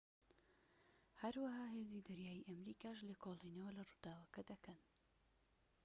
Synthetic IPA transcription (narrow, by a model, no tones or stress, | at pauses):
hɐɾwɐɦaːɦeːzid̪ɐɾjaːjiʔɐmɾiːkaːʃleːkʰoːlˠinɐwɐlɐrud̪aːwɐkɐd̪ɐkʰɐn